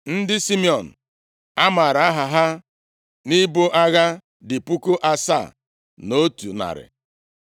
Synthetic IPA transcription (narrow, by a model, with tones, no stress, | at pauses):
n̩˦dɪ˦si˦mi˦ɔ˨n̩˨ | a˦ma˨ɾa˨a˦ɦa˨ɦa˦ | nɪ˦bo˦ʔa˦ɣa˦ | dɪ˨pu˦ko˦ʔa˦sa̰˦˨ | no˦tṵ˨na̰˨ɾɪ̰˨